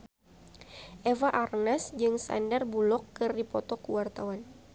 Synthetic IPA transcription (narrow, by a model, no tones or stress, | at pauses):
ʔevaʔarnasd͡ʒɨŋsa̰ndarbulɔkːɨripɔt̪ɔkuwart̪awan